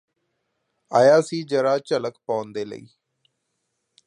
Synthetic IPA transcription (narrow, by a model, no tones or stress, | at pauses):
aːjaːsiːd͡ʒəɾaːt͡ʃələkpãːnd̪eːlə̰ḭː